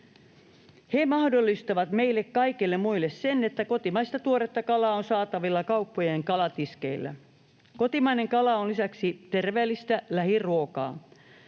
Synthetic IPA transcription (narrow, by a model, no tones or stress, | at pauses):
hemɑhdolːist̪ɑʋɑt̪me̞ilːekkɑikilːemmuilːessenet̪ːæko̞t̪imɑist̪ɑt̪uoɾet̪ːɑkɑlɑːonsɑːt̪ɑʋilːɑkɑupːojeŋkɑlɑt̪iske̞ilːæ̰ | ko̞t̪imɑineŋkɑlɑonlisæksit̪erʋeːlːist̪ælæhiruokɑ̰ː